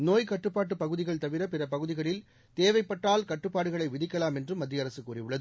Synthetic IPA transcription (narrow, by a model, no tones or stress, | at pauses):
noːjkɐʈːɯpːaːʈ̬ːɯpɐɣɯðɪɣɐɭt̪ɐʋɪɾɐpɪɾɐpɐɣɯðɪɣɐɭɪl | t̪eːʋɐɪpːɐʈːaːlkɐʈːɯpːaːɽɯɣɐɭɐɪʋɪðɪkːɐlaːmɛndrɯmːɐd̪ːɪjɐɾɐsɯkːuːrɪjɯɭːɐðɯ